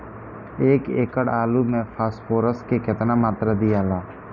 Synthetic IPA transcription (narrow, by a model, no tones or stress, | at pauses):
eːkeːkəɽaːlumẽpʰaːspoːɾəskeket̪namaːt̪ɾad̪ijaːlaː